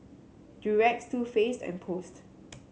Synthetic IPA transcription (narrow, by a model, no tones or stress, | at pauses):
diɹɛk̚tstufestɛ̰̃npʰost